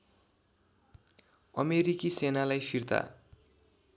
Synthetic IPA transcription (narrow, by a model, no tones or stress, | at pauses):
ʌ̰meɾikisenalajpʰirt̪a̰